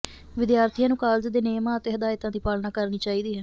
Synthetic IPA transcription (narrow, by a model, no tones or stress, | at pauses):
ʋɪd̪jaːɾt̪ʰijãːnũːkaːld͡ʒd̪eːneːmãːət̪eːɦəd̪aːɪt̪ãːd̪iːpaːlnaːkəɾniːt͡ʃaːiːd̪iːɦɛː